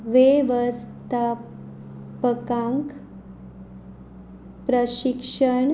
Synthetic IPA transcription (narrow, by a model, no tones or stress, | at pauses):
ʋeʋəst̪a | pəkãŋk | pɾəɕikʂəɳ